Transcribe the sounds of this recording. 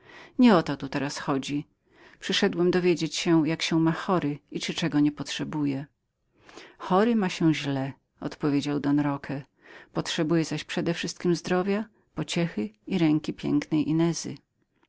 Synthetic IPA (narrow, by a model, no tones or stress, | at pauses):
ɲɛɔt̪ɔt̪ut̪ɛɾasxɔd͡ʑi | pʂɘʂɛd̪wɛmd̪ɔvʲjed͡ʑet͡ɕɕɛjakɕɛmaxɔɾɘit͡ʂɘt͡ʂɛɡɔɲɛpɔtʂɛbujɛ | xɔɾɘmaɕɛ̃ʑlɛ | ɔ̰t̪pɔvʲjed͡ʑawd̪ɔnɾɔkʰɛ | pɔtʂɛbujɛzaɕpʂɛd̪ɛfʂɘst̪̚kʲimzd̪ɾɔvʲja | pɔt͡ɕɛxɘiɾɛŋkʲipʲjɛ̰ŋknɛjʔinɛzɘ̰